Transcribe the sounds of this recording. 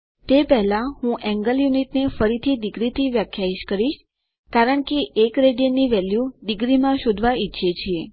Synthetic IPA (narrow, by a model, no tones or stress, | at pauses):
t̪epɛɦlãɦũʔɛ̃ŋɡəljuniʈnefəɾit̪ʰid̪iɡɾit̪ʰiʋjakʰjaiʃkəɾiʃ | kaɾəɳkeʔekɾeɖiəniʋɛljud̪ɪɡɾimãʃod̪ʱʋaitːʃʰet͡ʃʰie